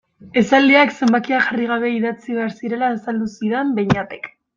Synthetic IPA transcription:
e̞sald̪iakse̞mbakiaxariɣ̞aβe̞iðat͡siβe̞aɾsiɾe̞laesald̪usiɾembeɲat̪ek

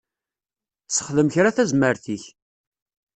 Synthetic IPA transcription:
t͡sːə̥χðəmçɾaθæzməɾθiç

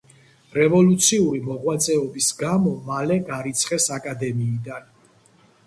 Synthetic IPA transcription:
ɾɛvɔlut̪sʰiuɾimɔʁwat̪sʼɛɔbisɡamɔmalɛɡaɾit̪sʰχɛsakʼad̪ɛmiːd̪an

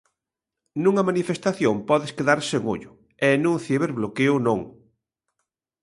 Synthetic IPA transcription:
nũŋɐmanifest̪aθjompɔðɪskeðaɾseŋo̰ʎʊ | ɛnũŋθjeβeɾβlokeʊnõŋ

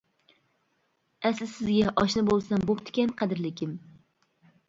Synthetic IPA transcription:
æslɪsɪzɡʲaʔɒʃnɪbolˠsambopt̪ʰɪ̥kʲanqʰɑd̪ɪɾlɪkʲʰɪm

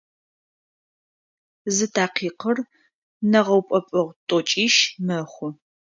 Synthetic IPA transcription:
zɨtʰaːqʰiːqər | nɐʁɐwpʼɔpʼɐʁʷtʼɔt͡ʃʼiːʃmɐχʷʊ

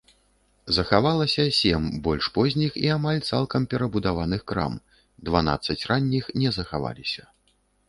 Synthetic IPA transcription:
zɐxavalˠɐsʲɐsʲɛmbɔlʲʂpɔzʲnʲixiamalʲt̪salˠkɐmpʲɛɾɐbud̪avanɨxkɾa̰m | d̪vana̰t̪sːɐt͡sʲranʲːixnʲɛzɐxava̰lʲisʲɐ

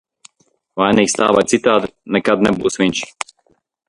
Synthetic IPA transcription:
vaɛnixst̪a̰ːʋajt̪sit̪aːt̪nɛkad̪nɛbusmint͡ʃi̥

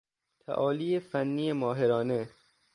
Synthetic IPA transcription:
t̪ʰæ̰ʔɒːliːjefænːiːjemɒːɦeɾɒːne

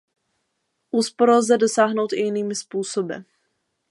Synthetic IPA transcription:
ʔuːspoɾlzɛdo̞saːɦno̞wt̪ɪjɪniːmɪspuːsobɪ̰

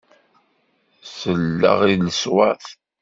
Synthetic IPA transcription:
səlːə̰ʁiləswæθ

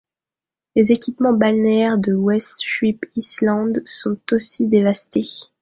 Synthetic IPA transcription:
lezekʲipmɑ̃banɛʁd̪əwɛst̪ʃɥipislɑ̃d̪sɔ̃t̪osid̪evast̪e

